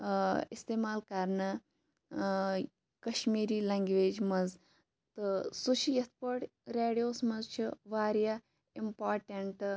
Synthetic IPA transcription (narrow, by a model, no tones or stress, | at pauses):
ist̪eːmaːlkaɾnɐ | kɐʃmiːɾiːlɐŋɡʋeːd͡ʒmɐz | t̪ɨsuʃijɐt̪̚ʰpɐʈɾeːɽijoːsmɐzt͡ʃʰiʋaːɾja | impaːɾʈɐɳʈ